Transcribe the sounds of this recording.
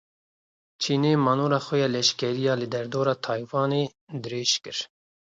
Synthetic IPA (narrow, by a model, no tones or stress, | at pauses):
t͡ʃʰiːneːmɑːnoːɾɑːxɛjɑːlɛʃkɛɾijɑːlɨd̪ɛɾd̪oːɾɑːt̪ʰɑːjwɑːneː | d̪ɨɾeːʃkɨɾ